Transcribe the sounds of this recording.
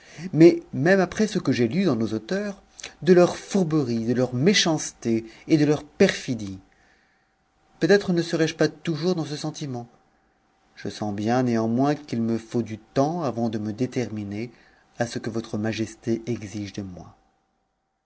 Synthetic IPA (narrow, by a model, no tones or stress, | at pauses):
mɛmɛmapχɛsəkəʒelyd̪ɑ̃nozot̪œːʁ | d̪əlœʁfuʁbəʁid̪əlœʁmeʃɑ̃st̪eːd̪əlœʁpɛʁfid̪i | pøt̪ɛt̪χənəsəʁɛʒpat̪uʒuʁd̪ɑ̃səsɑ̃t̪imɑ̃ | ʒ̥əsɑ̃bjɛ̃neɑ̃mwɛ̃kilməfod̪yt̪ɑ̃avɑ̃d̪əməd̪et̪ɛʁmine | asəkəvɔt̪χəmaʒɛst̪eʔɛɡziʒd̪əmwa̰